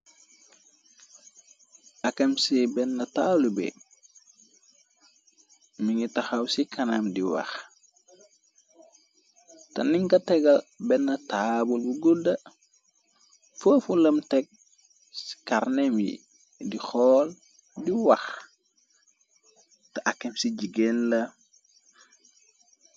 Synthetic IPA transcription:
ɐkɐmsibɛnːɐtaːlubḛ | miŋitaxawsikɐnamdiwa̰x | tɐniŋkɐtɛɡɐlbɛnːɐtabulbuɡuldɐ | fəːfulɐmtɛk̚ | si̥kaɾnemjḭ | dixɔːl | diwax | tɐʔakːemsiɟiɡenlɐ

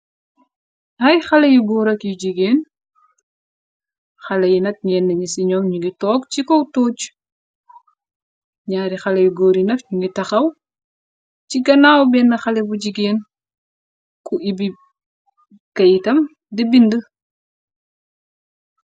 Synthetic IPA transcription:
hɐjxɐlɐjuɡoːɾɐkjuɟiɡeːn | xɐlɐjinɐk̚ɲɛnːɐɲisiɲɔːmɲuŋɡitɔːk̚t͡ʃikɔwtoːt͡ʃ | ɲaːɾixɐlɐjuɡoːɾinɐfɲuŋɡitɐxɐw | ciɡɐnaːwbɛnːɐxɐlɛbuɟiɡeːn | kuʔibi | kɐjtɐm | dɛbində

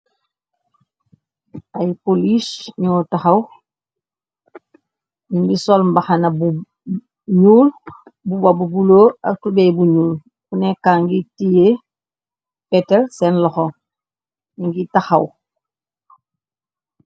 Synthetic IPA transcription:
ajpolisɲɔtaxaw | nimbisolmbaxanabu | ɲuːlbubabubuloːatubebuɲuːl | kunekaːŋɡitije | peteɾsenlɔxo | iŋɡitaxaw

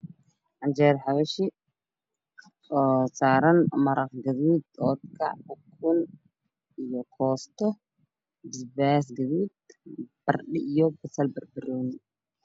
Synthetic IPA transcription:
ʕand͡ʒɛɾħaβɐʃi | saːɾɐnmɐɾɐqɡɐðuːd̪ɔːt̪̚kʰɐ̰ʕʊkʰːʊn | ʔijɔkʰɔːst̪ʰɔ | bɪsbɛːs̬ɡɐðuːd̪̚b̥ɐrɗɪʔijɔbɐsɐlbɐrbɪrɔːnɪ

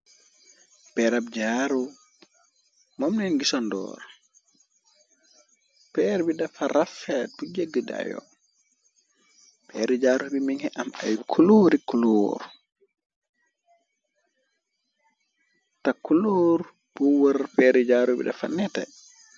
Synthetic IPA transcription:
pɛɾabd͡ʒaɾu | momnɛnɡisɔndɔ̰ːɾ | pɛɾbidafaɾafɛtud͡ʒeɡːəda̰jɔ̰ | pɛɾid͡ʒaːɾubimiŋɛʔamajkʰuloɾikuloɾu | takuloɾ | buwəɾpɛɾid͡ʒaːɾubḭɗa̰fa̰nɛta̰

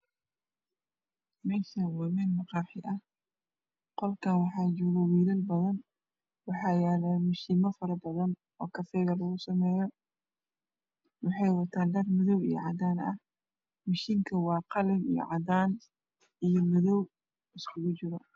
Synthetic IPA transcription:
mɛːʃɐwɐmɛːnmɑqɑħɪʔɐh | qɔlkʰanwɑħɑːt͡ʃɔːɣɐwiːlɐlbɐðɐn | wɑħɑːjɛːlɐːmɪʃiːmɐfɐɾɐbɐðɐn | ɔ̰ːkʰɐfɛːɣɐlɐɣʊsɐmɛːjɔ | wɑħɑjwɐt̪ʰaːnɖɐrmʊðɔwḭjɞ̰ʕɑd̪aːnɐ̰h | mɪʃiːŋkʰɐwɑːqɑlɪmḭjɔ̰ʕɑd̪aːn | ijɔmʊðɔw | ɪskʰʊɣʊt͡ʃɪɾɐ

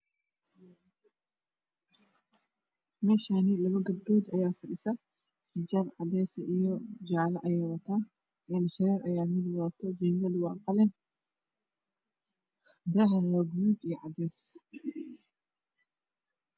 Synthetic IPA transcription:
mɛːʃanilɐβɐɡɐb̚ɖɔːd̪ɐjaːfɐɖɪsɐ | ħɪd͡ʒaːnʕɑd̪ɛːsɐʔijɔd͡ʒaʕlɐʔɐjɛːwɐt̪ʰaː | ʔɛnʃɐɾɛːɾʔɐjaːmɪd̪wat̪ʰɔd͡ʒɛnɡɐd̪wɑːqɑlɛn | d̪ɐɦɐnwaːɡuːd̪ijʕɑd̪ɛːs

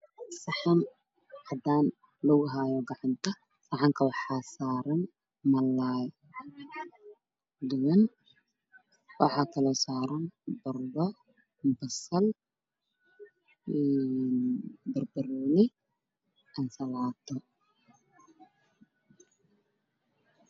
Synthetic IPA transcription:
sɑħɑn | ʕɑd̪aːn | lɔɣʊɦaːjɔɡɑʕɑnt̪ʰɐ | sɑʕɑŋkʰɐwɑħɑːsaːɾɐn | mɐlaːj | d̪ʊwɐn | wɑħɑːkʰɐlɔsaːɾɐnbɐrdɔ | bɐsɐl | ɛnbɐrbɐɾɔːnɪ | ʔɐnsɐlaːt̪ʰɔ

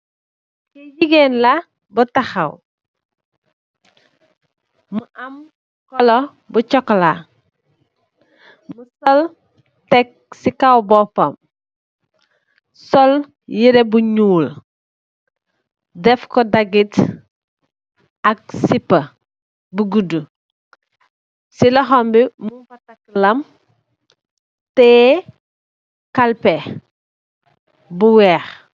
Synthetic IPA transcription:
kɛjiɡɛnlɐ | bɐtɐxɐw | məʔɐm | kɔlɔ | but͡ʃɔkːla | musɔl | tɛk̚sikɐwbɔpɐm | sɔl | jiɾɛbuɲuːl | dɛfkɔdɐɡit | ɐk̚sipːɐ | buɡudu | silɐxɔmbimubɐtɐk̚lɐm | tɛː | kɐlpɛ | buwɛːx

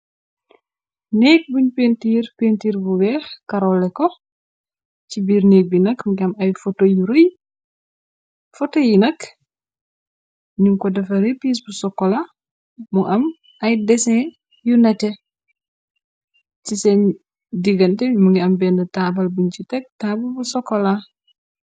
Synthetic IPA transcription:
nɛːk̚buɲpentiːrpentiːɾbuwɛːxkɐɾɔlːɛkɔ | cibiːɾneːk̚binɐkmuɡiɐmɐjfɔtojuɾoj | fɔtojinɐk | ɲuŋkɔdɐfɐɾepiːs̬busɔkːɔla | muʔɐm | ɐjdɛsɛ̃ | junɐtɛ | t͡ʃisɛn | diɡɐntɛmuɡiɐmbɛnɐtaːbɐlbunt͡ʃitɛk̚taːbɐlbusɔkːɔla

